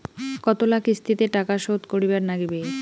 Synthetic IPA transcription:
kɔt̪olakist̪ʰit̪eʈakaʃod̪koɾibaɾnaɡibe

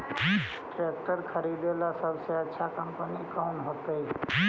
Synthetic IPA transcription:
ʈek̚ʈəɾkʰəɾid̪elasəbseətːʃʰakəmpənikoːnɦoːt̪əi

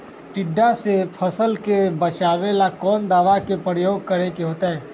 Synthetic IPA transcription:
ʈɪɖːasepʰəsəlkebət͡ʃaːʋelakɔːnd̪aːʋakepɾəjoːɡ̚kəɾekeɦoːt̪aɦɛː

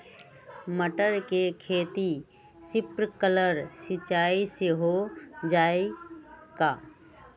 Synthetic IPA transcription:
məʈəɾkekʰeːt̪i | sɪpɾkələɾsɪt͡ʃaːiseɦod͡ʒaːekaː

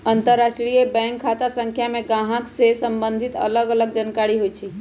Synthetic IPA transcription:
ənt̪əɾːasʈɾijəbɛ̃ŋkʰːat̪asə̃ŋkʰjamẽɡãɦãksesəmbənd̪ʱit̪ə̰ləɡələɡ̚d͡ʒənkaɾiɦoit͡ʃʰi

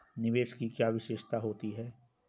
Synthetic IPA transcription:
nɪʋeːʃkikjaːʋɪʃeːʃt̪aɦoːt̪iɦɛː

